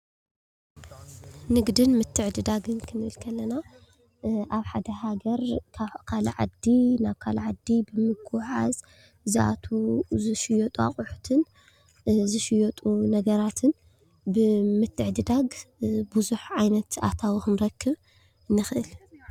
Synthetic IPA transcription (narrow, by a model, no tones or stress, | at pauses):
nɨɡd̪ɨnmɨt̪ʰːɨʕd̪ɨd̪aɡɨnkʰɨnɨɨlkʰɐlːɐna | ʔaβħad̪ɐɦaɡɐɾkʰakʰalɐ̰ʕa̰d̪ːinaβkʰalɐʕad̪ːibɨmɨɡuħa̰z | ziʔa̰t̪ʰuzɨʃɪjot̪ʼua̰χʼuħut̪ʰɨn | zɨʃɪjɔt̪ʼunɐɡɐɾat̪ʰɨn | bɨmɨt̪ʰːɨʕd̪ɨd̪aɡbuzuħʕajnɐt̪a̰t̪ʰawixɨnɾɐkːɨβ | ɨnːɨxʔɨl